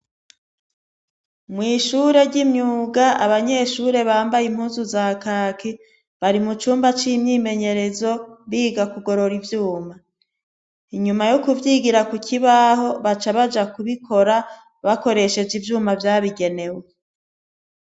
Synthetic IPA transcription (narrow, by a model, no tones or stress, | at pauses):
mŋiːʃuɾe̞ɾɟimɲuːɡaaβaɲe̞ʃuːɾe̞βaːmbajim̥huːnzuzaːkaːkʰi | βaɾimut͡ʃuːmbat͡ʃimɲiːme̞ɲe̞ɾe̞zo̞βiːɡakuɡo̞ɾo̞ɾivjuːma | iɲumajokuvjiːɡiɾakucʰiβaɦo̞βat͡ʃaβad͡ʒakuβikʰo̞ɾa | βako̞ɾe̞ʃe̞d͡ʒivjuːmavjaːβiɡe̞ne̞we